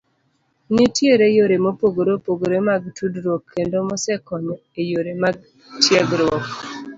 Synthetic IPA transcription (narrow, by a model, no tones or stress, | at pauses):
nitjeɾejoɾemopoɡoɾopoɡoɾemaɡ̚tʰudɾwɔkʰːendomɔsɛkɔnejoɾemaɡ̚ | tjɛɡɾwɔk